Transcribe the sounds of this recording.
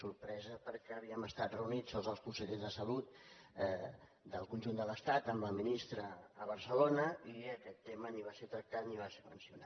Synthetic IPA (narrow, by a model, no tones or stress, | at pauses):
suɾpɾɛzəpəɾkɛːβ̞iəməst̪at̪rəunid͡zəlzðəlˠspusəʎezðəsəlut̪̚ | d̪əlˠkunʲʒund̪ələst̪at̪əmləminist̪ɾəːβəɾsəlonəiəkɛt̪ːeməniβaset̪ɾək̚t̪at̪̚niβ̞asemə̰nsiunat̪